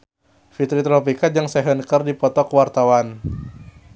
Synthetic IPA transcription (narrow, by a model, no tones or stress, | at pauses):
fit̪ɾit̪ɾɔpikad͡ʒɨŋsɛɦənkərdipɔt̪ɔkwart̪awan